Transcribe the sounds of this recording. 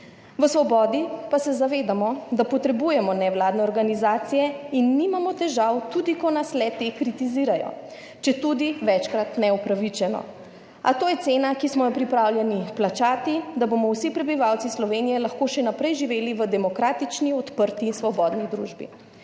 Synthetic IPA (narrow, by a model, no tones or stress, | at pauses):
ʋəsʋɔbɔːd̪ipasɛzaʋeːd̪amɔd̪apɔt̪ɾɛbuːjɛmɔnɛwlaːd̪nɛɔɾɡanizaːt̪sijɛinːimamɔt̪ɛʒawt̪ud̪ikɔnaslɛt̪ekɾit̪iziːɾajɔ̰ | t͡ʃɛt̪ud̪iʋɛt͡ʃkɾat̪nɛupɾaʋit͡ʃɛnɔ̰ | at̪oːjɛt̪seːnakismɔjɔpɾipɾaːwljɛniplat͡ʃaːt̪id̪abomɔwsipɾɛbiʋawt̪sislɔʋeːnijɛlaxkoːʃɛnapɾɛjʒiʋeːliʋəd̪ɛmɔkɾaːt̪it͡ʃniɔt̪pəɾt̪isʋɔbɔːd̪nid̪ɾuːʒbḭ